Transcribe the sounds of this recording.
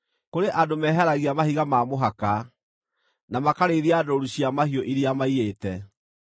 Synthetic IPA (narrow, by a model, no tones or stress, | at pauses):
koɾeʔadomɛːɦɛɾaɣiamahiɣamamoɦaka | namakaɾeːðiaːdɔɾuɕiamahiɔʔiɾiamaieːtɛ